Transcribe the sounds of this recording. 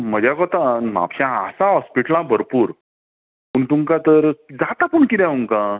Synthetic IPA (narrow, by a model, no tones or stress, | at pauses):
məd͡ʑakɔt̪ãma̰pɕãəsãɦɔspiʈəlãbʱəɾpuːɾ | puɳt̪ũŋkãt̪əɾd͡zat̪apuɳkid̪ãũŋkã